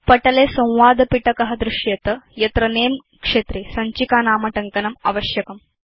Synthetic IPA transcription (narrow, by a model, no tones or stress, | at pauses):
pɐʈɐleːsɐ̃w̃ʋaːd̪ɐpiʈɐkɐɦɐd̪ɾɪʃjɐt̪ɐjɐt̪ɾɐneːm | kʂeːt̪ɾisɐɲt͡ʃikaːnaːmɐʈɐŋkɐnɐmɐ̰ʋɐʃjɐkɐm